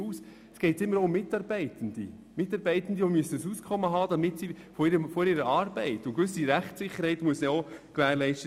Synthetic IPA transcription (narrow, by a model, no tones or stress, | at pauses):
uːs | sɡ̥ɛɪtɪmːəɾoʊmːɪtɑːɾbɛɪtən̩d̥̪ḭ | mɪtːɑːɾbɛɪtən̩diomyəsəsuːskʰɔmːəɦɑːd̥ɑmɪtsi | fɔɪɾəmfɔɾiːɾəɑːɾbɛɪtʊnkʋʏs̬iɾæχtsɪχːəɾhɛɪtmuəsnɛɔklæːɾlɛɪʃtə